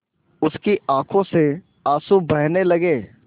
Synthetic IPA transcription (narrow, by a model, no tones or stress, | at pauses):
ʊskiaːkʰõse | aːsubɐɦnelɐɡeː